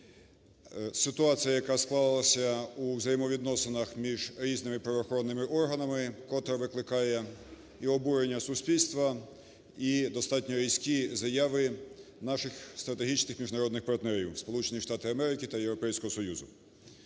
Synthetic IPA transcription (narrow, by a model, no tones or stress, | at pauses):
sɪt̪ʊɑt͡sʲijɐjɐkɑsklˠɑllˠɐsʲɐuwzɐjimɔʋʲid̪nɔsenɐxmʲiʒɾʲiznɪmɪpɾɐʋɔːxɔɾɔnːɪmɪʔɔrɦɐnɐmɪkɔt̪ɾɐʋɪklˠɪkɑjɛ | iɔbuɾenʲːɐsʊsʲpʲilʲst̪ʋɐ | id̪ɔst̪ɑtʲnʲɔɾʲijsʲkʲizɐjɑʋɪ | nɑʃɪxst̪ɾɐt̪eɦʲit͡ʃnɪxmʲiʒnɐɾɔd̪nɪxpɐrt̪nɛɾʲiwspɔlˠut͡ʃenʲiʃt̪ɑt̪ɪɐmɛɾɪkɪt̪ɐjewɾɔpɛjsʲkɔɦɔsɔjuzʊ